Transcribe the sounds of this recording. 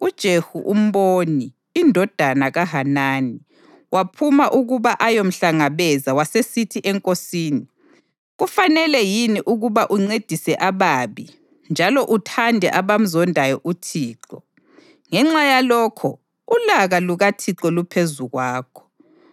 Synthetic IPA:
ud̥ʒ̥ʱehṵʔum̩βoniː | ndʱɔd̥ʱanaɣaɦanaːni | wapʰumaʔuɣuβaʔajom̩ɬaŋaβɛzawasesitʰiʔɛŋkʼosiːni | ɣufanɛlɛjiniʔuɣuβaʔuŋ͡ǀed̥ʱisɛʔaβaːβi | nd͡ʒʱalɔʔutʰandʱɛ̰ʔaβam̩zɔndʱajɔʔutʰiːǃɔ | ŋɛŋ͡ǁajalɔːkʰɔ | ulaɣaluɣatʰiǃɔlupʰezuɣwaːkʰɔ̥

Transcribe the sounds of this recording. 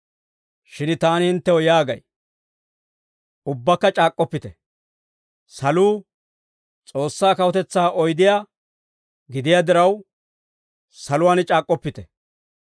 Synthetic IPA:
ʃɪnt̪aːnɪhɪnt̪ːɛwɔjaːɡɐ̰j | ʊbːɐkːɐt͡ʃʼaːkʼːɔpːɪt̪ɛ | sɐluː | t͡sʼo̞ːsːaːkɐwɔt̪ɛt͡sːaːʔɔjd̪ɪjaː | ɡɪd̪ɪjad̪ɪɾɐw | sɐlʊwaːnt͡ʃʼaːkʼːɔpːɪt̪ɛ

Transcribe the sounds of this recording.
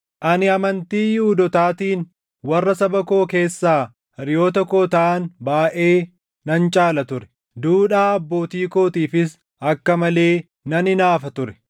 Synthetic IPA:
ʔɐnɪɐmɐnt̪iːjuːd̪ɔt̪aːt̪iːn | wɐrːɐsɐbɐko̞ːke̞ːsːaː | ɪɾɪjo̞ːt̪ɐko̞ːt̪ɐʔɐnbaːʔe̞ː | nɐnt͡ʃʼaːlɐt̪ʊɾɛ̥ | d̪uːᶑaːɐbːo̞ːt̪iːko̞ːt̪iːfɪs | ɐkːɐmɐle̞ː | nɐnɪnaːfɐt̪ʊɾɛ̥

